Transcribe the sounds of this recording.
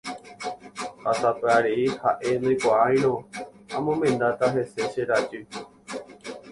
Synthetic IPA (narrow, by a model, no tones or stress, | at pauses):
hasapeaɾeihaʔe̞nɨ̃jkʷaaj̃ñõamõmẽ̞nd̪at̪aɦe̞se̞ʃeɾad͡ʒɨ